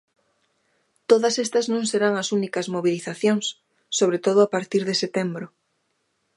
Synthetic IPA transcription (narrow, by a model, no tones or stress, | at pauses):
t̪oðɐsest̪ɐznõŋseɾaŋɐsunikɐzmoβ̞iliθaθjoŋsː | oβ̞ɾet̪oð̞ʊapaɾt̪iɾðeset̪embɾʊ